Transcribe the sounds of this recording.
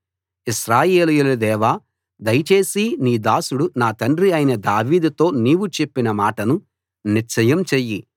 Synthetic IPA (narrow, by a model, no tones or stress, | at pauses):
iʃɾaːje̞ːlujulud̪ɛːʋaː | d̪ɐjɐt͡ʃe̞ːsiniːd̪aːsuɽunaːt̪ɐɳɖɾiɐjinɐd̪aːʋiːd̪ut̪o̞ːniːʋut͡ʃepːinɐmaːʈɐnu | niɾt͡ʃɐjɐmt͡ʃejːi